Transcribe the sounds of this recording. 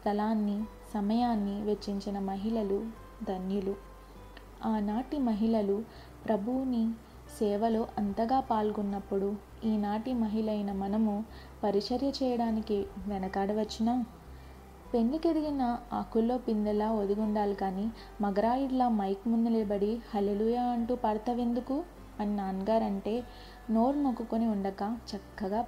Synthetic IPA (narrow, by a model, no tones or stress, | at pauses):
st̪ɐlaːnːi | sɐmɐjaːnːiʋet͡ʃːiɲt͡ʃinɐmɐɦiɭɐlu | d̪ʱɐnjulu | aːnaːʈimɐɦiɭɐlu | pɾɐbʱuʋni | sɛːʋɐlo̞ːʔɐnt̪ɐɡaːpaːlɡunːɐpːuɽu | iːnaːʈimɐɦiɭɐjnɐmɐnɐmu | pɐɾiʂɐɾjɐt͡ʃɛːjɐɽaːnikiʋɛnɐkaːɽɐʋɐt͡ʃːinaː | pe̞ɳlikeɽiɡinɐɐkulːo̞ːpind̪ɐlaːod̪uɡuɳɖaːlikaːniː | mɐɡɐɾaːjiɽlɐamɐjkmund̪uleːbɐɽihɐleːluːjaːɐɳʈuːpɐːɾt̪ʰɐʋe̞nd̪uku | ɐninaːnɡaːɾɐɳʈe̞ː | noːɾmokːukoniuɳɖɐkɐt͡ʃɐkːɐɡaː